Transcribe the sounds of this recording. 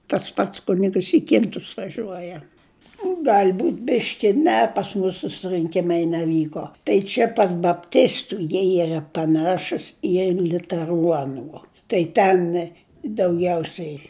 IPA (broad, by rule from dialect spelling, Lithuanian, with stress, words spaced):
tɐs ˈpɐts ˈkʊnʲɪɡəs ɪ ˈkʲɪntʊs ʋɐˈʒʲuɔjɛ ˈɡɐlʲ ˈbuːtʲ ˈbʲɪʃʲkʲɪ ˈnʲɛ pɐs ˈmʊs sʊsrɨŋʲˈkʲɪmɐɪ nʲɛˈʋʲiːkoː tɐɪ ˈt͡ʃʲɛ pɐr bɐpʲˈtʲɪstʊ jiɛ ˈiːrɐ pɐˈnɑːʃʊs ɪ lʲʊtʲɛˈruɔnuː tɐɪ ˈtʲɛn dɐʊˈɡʲɛʊsʲɛɪ